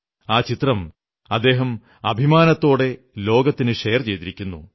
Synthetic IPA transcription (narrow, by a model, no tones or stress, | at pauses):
aːt͡ɕit̪rɐm | ɐd̪ːe̞ːɦɐm | ɐbʱimaːnɐt̪ːo̞ːɽe̞ | lo̞ːɡɐt̪ːinɨʂejɐrt͡ɕe̞jt̪iɾikʲːunːṵ